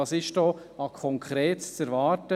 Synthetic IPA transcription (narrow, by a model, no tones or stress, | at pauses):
ɑsɪʃd̥ɔː | ɑkʰɔŋkʰɾeːtst͡sɛɾvɑːɾtə